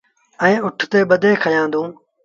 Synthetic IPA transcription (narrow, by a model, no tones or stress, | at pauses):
ɛ̃ːʊʈʰt̪eːɓəd̪ʱeːkʰəjãːd̪ũː